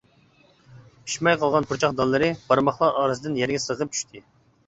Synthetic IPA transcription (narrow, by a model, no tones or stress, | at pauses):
pʰi̥ʃmɛjqʰɑlˠʁɑnpʰuɾt͡ʃʰɑχd̪ɑlˠːɨɾɨb̥ɑɾmɑχlˠɑʔɑːɾɨzɨd̪ɨnjɛɾɡʲɛsəʁəp̚t͡ʃʰy̥ʃt̪ʰɪ